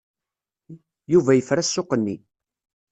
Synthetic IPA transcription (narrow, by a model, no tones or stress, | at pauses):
juvæjəfɾæsːʊqənːi